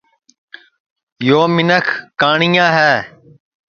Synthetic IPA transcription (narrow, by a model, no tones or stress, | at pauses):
joːmɪnəkʰkaːɳɪjãːɦɛː